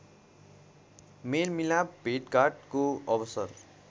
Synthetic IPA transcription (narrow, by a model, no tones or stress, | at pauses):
melmilabʱeʈkarʈkoʌbʌsʌr